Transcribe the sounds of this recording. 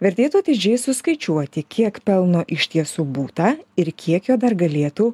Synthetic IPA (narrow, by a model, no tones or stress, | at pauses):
ʋʲɛɾʲt̪ʲeːt̪uɐt̪ʲɪd͡ʒʲɛɪsʊskɐɪt͡ʃʲuɔt̪ʲɪkʲiɛkpʲɛlˠnoːʔɪʃʲt̪ʲiɛsuːbuːt̪ɐɪɾkʲʰiɛkjoːd̪ɐrɡɐlʲeːt̪uː